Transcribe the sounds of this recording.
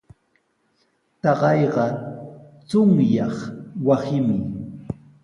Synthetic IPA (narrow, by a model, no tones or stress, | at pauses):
t̪ɑɢɑjɢɑ | t͡sʊŋjɑχwasɪmɪ